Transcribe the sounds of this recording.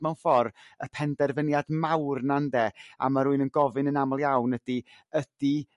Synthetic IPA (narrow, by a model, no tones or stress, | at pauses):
mɛwnfɔrəpʰɛndɛrvənjadmawrnandɛa̰maɾuːɨnənɡɔvɨnənamɔlˠjawnədi | əd̥i